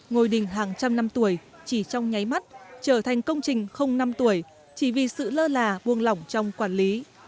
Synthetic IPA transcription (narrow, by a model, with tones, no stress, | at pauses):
ŋo˨˩jɗï˨˩ŋ̟ɦaː˨˩ŋt͡ɕa˧mna˧mt̪u˧˩əj | t͡ɕi˧˩t͡ɕɔ˧wŋ͡mɲa˨˦jma˦˥t̚t͡ɕəː˧˩t̪ʰa˨˩jŋ̟kə˧wŋ͡mt͡ɕï˨˩ŋ̟xə˧wŋ͡mna˧mt̪u˧˩əj | t͡ɕi˧˩vi˨˩sɨ̰˧˨ləː˧laː˨˩ɓu˨˩ənlɔ˨˧˩wŋ͡mt͡ɕɔ˧wŋ͡mkwaː˧˩nli˨˦